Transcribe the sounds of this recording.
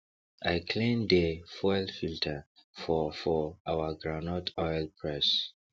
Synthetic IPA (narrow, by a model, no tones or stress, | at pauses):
aɪkʰlẽmdəfɔjlfiltʰafɔfɔawaɡɹanɔtʰɔjlpʰɹɛs